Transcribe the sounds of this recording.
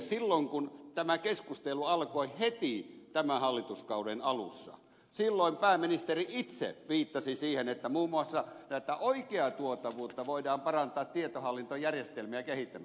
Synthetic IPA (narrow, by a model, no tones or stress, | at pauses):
silːoŋkunt̪æmækeskust̪eluɑlkoihet̪it̪æmæhɑlːit̪uskɑudenɑlṵsːɑ̰ | silːoˑimpæːmːinist̪eriit̪sḛʋiːt̪ːɑsisiːhenet̪ːæmuːmːuɑsːɑnæˑit̪æʔoikeɑt̪uot̪ɑʋuːt̪ːɑʋoidɑːmpɑrɑnt̪ɑːt̪t̪iet̪ohɑlːint̪ojærjest̪elmiækehit̪ːæm